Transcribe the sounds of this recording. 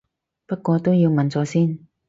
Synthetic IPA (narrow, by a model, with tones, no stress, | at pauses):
pɐ˥t̚kʷːɔː˧t̪o˥wji˧wmɐ˨˩nt͡sɔː˧siː˥n